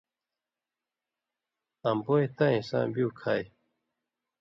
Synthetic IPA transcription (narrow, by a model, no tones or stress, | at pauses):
ɐmboːjt̪ãĩsã̰ːbjuːkʰaːj